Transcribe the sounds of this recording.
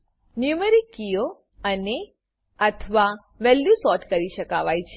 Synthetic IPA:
njuməɾikːijo | əne | ət̪ʰəʋa | ʋɛljusɔʈkəɾiʃəkaʋajt͡ʃʰe

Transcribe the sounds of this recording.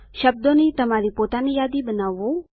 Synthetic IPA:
ʃəb̚d̪onet̪ɐmaɾipoːt̪anejaːd̪ibənaʋo

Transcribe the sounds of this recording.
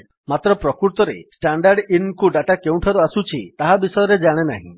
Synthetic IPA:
mat̪ɾɔpɾɔkuɾt̪ɔɾḛsʈaɳɖaɾɖinkuɖaʈakeũʈʰaɾuasut͡ʃʰit̪aɦabisɔjɔɾed͡ʒaɽ̃ena̰ɦḭ̃

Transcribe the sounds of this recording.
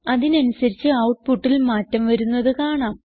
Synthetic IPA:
ɐðinɐnusɐɾit͡ɕːɨɐwʈ̚puʈːilmaːtːɐmʋɐɾunːɐðɨkaːɳaːm

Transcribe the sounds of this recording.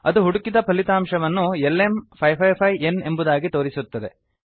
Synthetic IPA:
ɐd̪uɦuɽukid̪ɐpɐlit̪aːmʂɐʋɐnːuelːe̞mpʰɐjpʰɐjpʰɐjene̞mbud̪aːɡit̪o̞ːɾisut̪ːɐd̪e̞

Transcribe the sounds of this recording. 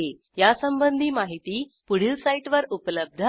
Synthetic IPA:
e | jasəmbənd̪ʱiːmaɦit̪iː | puɽ̤ilsaiʈʋəɾupləb̚d̪ʱ

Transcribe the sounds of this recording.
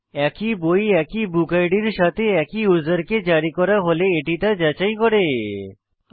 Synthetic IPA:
ɛkibojɛkibukajɖiɾʃat̪ʰeɛkiuzəɾked͡ʑaɾikɔɾaɦoleeʈit̪ad͡ʑat͡ɕajkɔɾe

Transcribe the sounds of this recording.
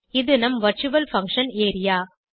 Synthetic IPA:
ɪðɯnɐmʋɐɾt͡ʃɯʋɐlfɐ̃ŋkʂɐneːɾɪjaː

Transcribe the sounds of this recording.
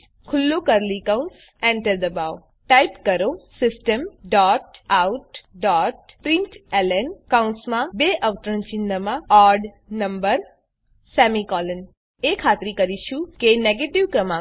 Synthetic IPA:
kʰʊlːokəɾlikaw̃ns | ɛ̃ɳʈəɾd̪əbaʋ | ʈajpkəɾosɪsʈəmɖɔʈawʈɖɔʈ̚pɾĩɳʈɛlenkaunsmãbeʔəʋt̪ɾənt͡ʃinːəmãɔɾɖ | nəmbəɾ | sɛmikɔlən | ekʰat̪ɾikəɾiʃũkeneɡeʈiʋkɾəmã

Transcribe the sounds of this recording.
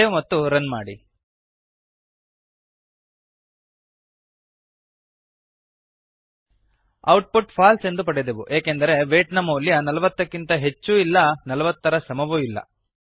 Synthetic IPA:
eumɐt̪ːuɾɐnmaːɽḭ | ɐwʈ̚puʈpʰaːlse̞nd̪upɐɽed̪eʋuʔeːkend̪ɐɾe̞ʋeːʈnɐmɐlːjɐnɐlɐʋɐt̪ːɐkːint̪ɐɦe̞t͡ʃːuilːɐnɐlɐʋɐt̪ːɐɾɐsɐmɐʋuilːɐ̰

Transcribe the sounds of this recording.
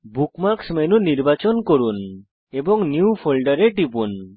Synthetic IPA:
bukmaɾksmenuniɾbat͡ʃɔnkɔɾun | ebɔŋnjupʰɔlɖaɾeʈipun

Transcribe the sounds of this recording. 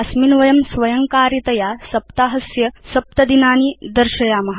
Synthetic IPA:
ɐsminʋɐjɐmsʋɐjɐŋkaːɾit̪ɐjaːsɐpt̪aːɦɐsjɐsɐp̚t̪ɐd̪inaːniːd̪ɐɾʃɐjaːmɐɦ

